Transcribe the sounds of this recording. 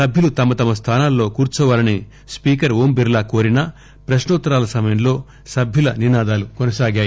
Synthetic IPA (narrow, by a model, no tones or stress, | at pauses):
sɐbʱjulut̪ɐmɐt̪ɐmɐs̬t̪ʰaːnaːlːo̞ːkuːɾt͡ʃɔːʋaːlɐni | spiːkɐɾoːmbiɾlaːko̞ːɾinɐ | pɾɐʃnɔːt̪ːɐɾaːlɐsɐmɐjɐmlo̞ː | sɐbʱjulɐninaːd̪aːlukɔnɐsaːɡaːji